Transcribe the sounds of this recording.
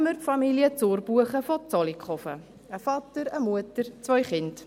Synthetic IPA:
məɾtfɑmiljət͡soːɾb̥uəχəfɔt͡sɔlikχɔfə̰ | əfɑtəɾəmuətəɾt͡sʋœʏχɪnd

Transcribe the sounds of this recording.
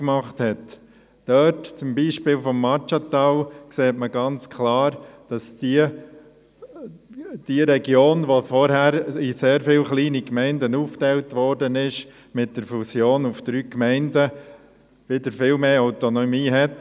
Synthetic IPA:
kmɑχthɛt | d̥œtt͡sʊmbiːʃpɪːlfɔmːɑt͡ʃɑt̪ɑwkseːtməɡɑnt͡skʰlɑːɾd̥ɑsi | d̥iɾɛɡjoːnʋofɔɾhæɾiseːɾfɪlχliːnikmɛɪndənuːftɛɪltʋɔɾdənɪʃ | mɪt̚d̥əɾfusjoːnufd̥ɾyːkmɛɪndə | ʋɪdəɾfɪlmeːaʊtonɔmiːɦɛt

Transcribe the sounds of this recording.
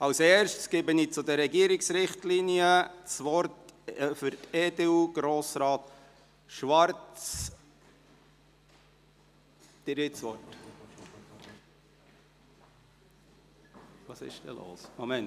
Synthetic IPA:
ɑwsɛːɾʃtsɡ̥ɪbənit͡sʊd̪əɾɛɡiəɾɪksɾɪχtliniət͡sʋɔɾtfʏɾteːd̪euːɡ̥ɾoːsɾɑːt̪ | ʃʋɑrt͡s | d̪̥ɪɾit͡sʋɔt | ʋɑːsɪ̰ʃd̥̪ɛ̰lo̰ːsmomɛnt

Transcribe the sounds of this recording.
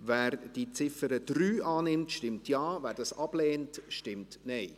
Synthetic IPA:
vɛːɾd̥it͡sɪfəɾəd̥ɾyːʔɑːnɪmtʃtɪmtjɑːvæːɾdɑsɑb̥lɛːntʃtɪmtnɛɪ

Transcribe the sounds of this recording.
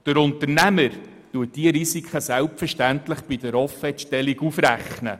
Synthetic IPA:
d̥əɾʊntəɾnæməɾ | tuət̚d̥iəɾisikχəsælpfəɾʃtænt̪ləχb̥id̥̪əɾɔfɛtʃtɛliɡufɾæχnə

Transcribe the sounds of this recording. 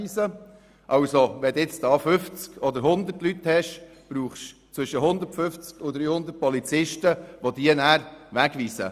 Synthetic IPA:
iːsə | ʔɑʊsoʋɛd̪ɪt͡sdɑːfʏft͡skɔd̪əɾɦʊnd̪əɾtlyt̪hɛʃ | b̥ɾuːχʃt͡sʋʏʃəɦʊnd̪ətfʏft͡skʊd̪ɾyːhʊnd̪əɾt̚pɔlit͡sɪʃtəʋod̪iənæːɾʋæɡʋiːsə̰

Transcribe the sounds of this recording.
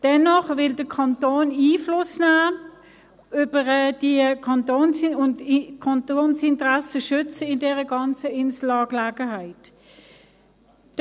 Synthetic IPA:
d̥ɛnɔχvɪldəkʰɑntoːniːflʊsnaː | ʏbəʁɛd̥iəkʰɑntoːnsʊndkʰɑntoːnsɪntəʁasəʃʏt͡səɪndɛːʁəɡɑnt͡səɪnslɑːɡlaːɡ̥əɦaɪt

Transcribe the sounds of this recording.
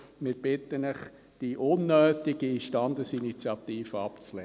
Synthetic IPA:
mɪɾb̥ɪt̪ənəχ | d̥iʔʊnːøːt̪iɡ̥iiʃtɑnd̪əsinit͡sjɑt̪iːfəɑpt͡slɛ

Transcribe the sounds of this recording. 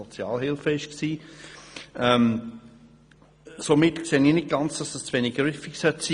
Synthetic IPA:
ɔt͡sjɑ̰ːlɦɪlfəɪʃksiː | ʔɛm | somɪtkseːninɪt̚ɡ̥ɑnt͡sd̥ɑsəst͡svɛniɡ̥ɾyfɪksœtsiː

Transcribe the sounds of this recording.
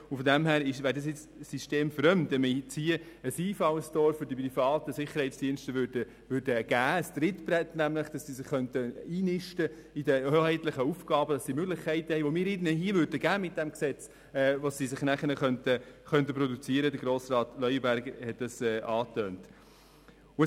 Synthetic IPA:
ʊnfɔdɛmhæːɾɪʃʋæːɾdɑs̬jɪt͡s | siʃteːmfɾœmtɛmət͡shiə | əsiːfɑwəstɔɾfʏɾdip̬rifɑːtəsɪχəɾhɛɪt͡sd̥iənstəʋʏdə | ʋʏɾdəɡ̥æːəst̪ɾɪtbrɛt̪næmlɪχd̥ɑssiːsɪχχːœntəiːnɪʃtə | idəhøːhɛɪtlɪχəufɡɑːbəd̥ɑssimøɡlɪχkʰɛɪtəhɛɪʋomɪːɾɪnəɦiəvʏːɾdəɡ̥æːmɪt̚d̥æmksɛt͡s | ɛʋosisɪχnæχənəχœntəχœntəpɾɔdut͡siəɾədəɡɾoːsrɑːt̪lœʏəbæɾɡhɛt̚d̥ɑsɛːʔɑːtøːnt | ʊ

